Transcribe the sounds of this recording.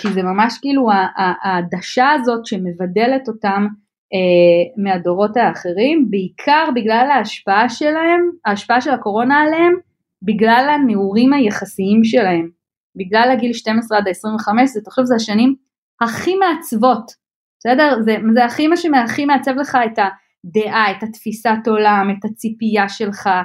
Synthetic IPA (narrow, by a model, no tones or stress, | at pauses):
kizemamaʃkiːluaʔaːdaʃaːzo̞tʃe̞me̞vade̞le̞to̞tam | emeado̞ʁo̞taːχe̞ʁimbeikʰaʁbiɡlalaːʃpaaʃelaemaːʃpaaʃe̞lako̞ʁo̞naːleem | biɡlalameuʁimajeχasiimʃe̞lahe̞m | biɡlalaɡilʃte̞mesʁeadeesʁiɱveχame̞ʃzet̪aχʃovzeaʃanim | haχimeat͡svo̞t | sede̞ʁzezeaχimaʃemeaχimeat͡se̞vle̞χaeta | de̞ʔaetatfisato̞lame̞tat͡sipijaʃe̞lχa